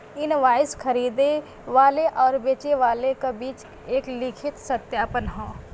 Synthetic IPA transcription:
ɪnʋaːɪskʰəɾiːd̪e | ʋaːleʔɔːɾbeːt͡ʃeʋaːlekabiːt͡ʃ | eːklɪkʰɪt̪sət̪jaːpənɦõː

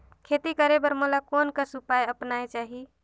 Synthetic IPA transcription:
kʰet̪ikəɾebəɾmolakonkəɾsupajəpnajt͡ʃaɦi

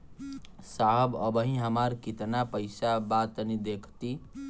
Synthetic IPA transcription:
saɦbəbəɦĩɦəmaɾkit̪napəɪsabat̪ənid̪ekʰt̪i

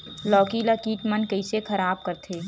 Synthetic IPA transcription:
lɔːkilakiːʈmənkɐisexʰɐɾaːb̚kɐɾt̪ʰeː

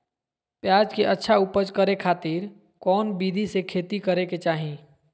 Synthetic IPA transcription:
pjaːd͡ʒkeʔɐtːʃʰaupəd͡ʒkəɾekʰaːt̪iːɾ | kɔːnbiːd̪ʱisekʰeːt̪ikəɾeket͡ʃaːɦĩː

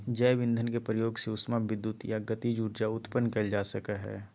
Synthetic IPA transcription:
d͡ʒɛːbɪ̃nd̪ʱənkepɾəjoːɡseʊsmabɪd̪ːʊt̪jaɡət̪id͡ʒuːɾd͡ʒaʊt̪pənːkɐld͡ʒaːsəkəɦɛ̰ː

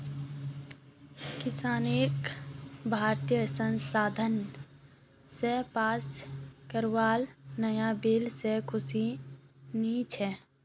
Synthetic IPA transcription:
kɪsaːnekbʱaːɾt̪ijəsə̃nsaːd̪ʱən | sepaːskəɾwaːlnəjabeːlsekʰʊsi | niːt͡ʃɛ

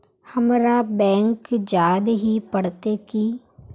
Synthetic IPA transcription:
həmɾabɛ̃ːŋkd͡ʒaːd̪ɦipəɽt̪ekiː

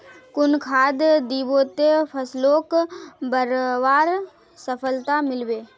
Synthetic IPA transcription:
kʊnkʰaːd̪d̪iːboːt̪epʰəsloːkbəɾʋaːɾ | səpʰəlt̪amɪlweː

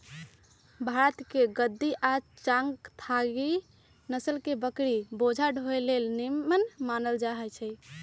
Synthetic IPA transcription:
bʱaɾət̪keɡəd̪ːiʔa | t͡ʃaŋɡt̪ʰaɡi | nəsəlkebəkɾibod͡ʒʱaɖʱoelelnimənmanəld͡ʒaɦɛt͡ʃʰɛ

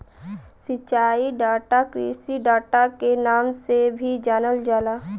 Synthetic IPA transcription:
sɪt͡ʃaːiɖaːʈakɾiːsiɖaːʈakenaːmsebʱid͡ʒaːnəld͡ʒaːlaː

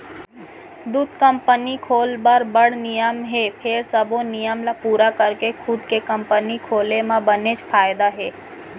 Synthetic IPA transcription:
d̪uːt̪kə̃mpənikʰoːlbəɾbəɽ̤nɪjəmɦeːpʰɪɾsəbõnɪjəmlapuːɾakəɾkekʰʊd̪kekə̃mpənikʰoːlemãbənet͡ʃpʰaːjd̪aɦeː

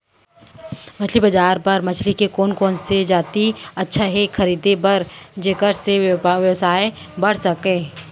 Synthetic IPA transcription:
mɐt͡ʃʰlibɐd͡ʒaːɾpɐɾmɐt͡ʃʰlikekoːnkɔːnsed͡ʒaːt̪iɐtːʃʰaɦɛkʰɐɾiːd̪ebɐɾd͡ʒekəɾseʋjəwsaːe | bɐɽ̤sɐkẽː

